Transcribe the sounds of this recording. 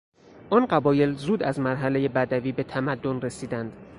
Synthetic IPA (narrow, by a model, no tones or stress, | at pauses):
ʔɒnɢæbɒːje̞lzuːd̪æzmæɾɦæle̞je̞bæd̪æviːbe̞t̪ʰæmæd̪ːonre̞siːd̪ænd̪̥